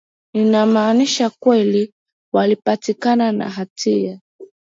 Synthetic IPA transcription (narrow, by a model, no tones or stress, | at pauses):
ninamaːniʃakwɛli | walipatikanana̰ɦatʰia